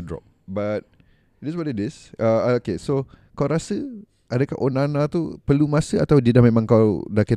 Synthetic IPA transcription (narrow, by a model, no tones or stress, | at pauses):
dɾɔ̰p̚ | bat̪̚ | dɛs̬wadədis | aokesokawɾasə | adəkahʔonanat̪upəlumasəa̰t̪awdidamẽmãŋkawdaki